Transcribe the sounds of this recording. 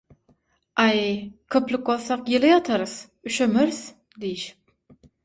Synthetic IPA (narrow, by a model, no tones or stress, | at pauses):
ʔɑjkʲʰøplɪkwolˠθɑqjelijɑt̪ʰɑɾɯθ | yʃømøɾθ | d̪ijiʃ